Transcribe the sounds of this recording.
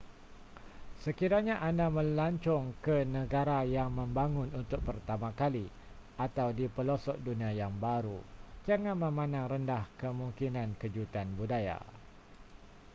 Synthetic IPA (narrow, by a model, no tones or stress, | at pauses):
səkiɾaɲãʔandamə̃laɲt͡ʃɔŋkənə̃ɡaɾajaŋmə̃mbaŋʊ̃nunt̪ʊk̚pərt̪amãkali | at̪awdipəlosɔʔ̚dunĩajaŋbaɾud͡ʒaŋãnmə̃mãnãŋrəndahkəmũŋkinãnkəd͡ʒut̪anbudaja̰